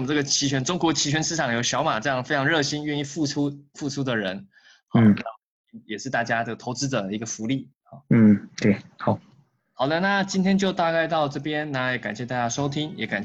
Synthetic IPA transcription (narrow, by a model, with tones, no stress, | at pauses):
mə˨nʈ͡ʂɤ˥˩ɡə˩t͡ɕʰi˧˥ɕɥɛ˧˥nʈ͡ʂʊ˥ŋkwɔ˧˥t͡ɕʰi˧˥ɕɥɛ˧˥nʂɻ̩˥˩ʈ͡ʂʰɑ˨˩ŋjo˧˥ʊɕjɑ˧˥ʊma˨˩ʈ͡ʂɤ˥˧jɑ˥˩ŋfe˥ɪʈ͡ʂʰɑ˧˥ŋɻɤ˥˩ɕi˥nɥɛ˥˧ni˥˧fu˥˩ʈ͡ʂʰu˥fu˥˩ʈ͡ʂʰu˥d̪ə˨ɻə̰˧˥n | xɑ˥˨˥na˥ | i˥˩jɛ˨˩ʂɻ̩˥˧t̪a˥˩t͡ɕja˥ʈ͡ʂɤ˥˩ɡə˩t̪ʰo˧˥ʊt͡sɹ̩˥d̪ə˨˩i˧˥ɡə˨fu˧˥li˥˩ | xɑ̰˥˩n̩˥˩t̪we˥˩xɑ˨˩ʊ | xɑ˨˩ʊd̪ə˦na˥˨t͡ɕi˥nt̪ʰjɛ˥nt͡ɕjo˥˧ʊt̪a˥˧ka˥˧ɪt̪ɑ˥˧ʊʈ͡ʂɤ˥˩pjɛ˥nna˧˥˨jɛ˨˩ka˨˩nɕjɛ˥˧t̪a˥˩t͡ɕja˥ʂo˥ʊt̪ʰi˥ŋjɛ˨˩˥ka˨˩n